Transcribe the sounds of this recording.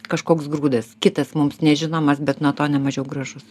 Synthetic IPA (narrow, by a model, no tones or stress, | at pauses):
kɐʃkoːksɡɾuːd̪ɐskʲɪt̪ɐsmʊmsnʲɛʒʲɪnoːmɐsbʲɛt̪nuɔt̪oːnʲɛmɐʒʲɛʊɡɾɐʒʊs